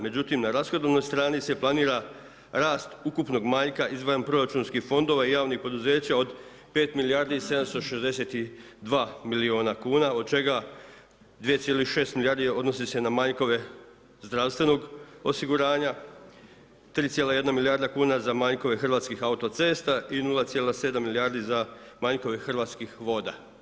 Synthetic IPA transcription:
me̞d͡ʑut̪imnaɾasxo̞d̪oʋno̞jst̪ɾaːnise̞plˠaniːɾa | ɾaːst̪ukupno̞ɡmaːʎkaʔizʋanpɾo̞ɾat͡ʃuːnskihfo̞nd̪o̞ʋaijaːʋnihpo̞d̪uze̞ːt͡ɕaod̪ | pe̞ːt̪milijaɾd̪iise̞d̪amst̪o̞ʃezd̪e̞se̞t̪id̪ʋaːmilio̞ːnakuːnao̞d̪̚t͡ʃe̞ɡa | d̪ʋije̞t̪sjelixʃe̞ːst̪milijaɾd̪ijeo̞d̪no̞sise̞namaɲko̞ʋe̞ | zd̪ɾaʋst̪ʋe̞no̞ɡo̞siɡuɾaːɲa | t̪ɾiːt̪je̞ːlaje̞d̪namilijaɾd̪akuːnazamaɲko̞ʋe̞xrʋaːt̪skixaut̪o̞t̪se̞ːst̪ainulˠat̪jelˠase̞d̪amːilijaɾd̪izamaɲko̞ʋexrʋaːt̪skixʋo̞d̪a̰

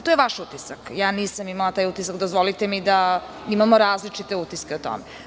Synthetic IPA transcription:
t̪ojeʋaʃut̪isakjaːniːsamimalˠat̪aːjut̪isakd̪ozʋolit̪emid̪a | imamo̞ɾaːzlit͡ʂit̪eut̪iskeot̪o̰me

